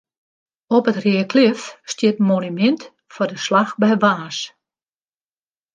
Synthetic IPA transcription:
ɔpətriəkʰlɪfstjɪtmonymɛnt | fɔdəslaxbɛjʋaːs

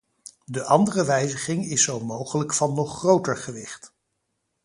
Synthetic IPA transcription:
dəʔɑndərəʋɛjzəχɪŋɪsːowmowχələkfɑnːɔχːrowtəɹχəʋɪχt

